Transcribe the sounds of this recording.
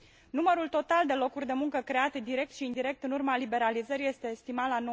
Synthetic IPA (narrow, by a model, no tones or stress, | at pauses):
numəɾult̪o̞t̪ald̪e̞lo̞kurʲd̪e̞muŋkəkɾe̞at̪ed̪iɾe̞k̚t̪ʃiːnd̪iɾe̞k̚t̪ɨnurmalibe̞ɾalizəɾije̞st̪e̞ːst̪imalano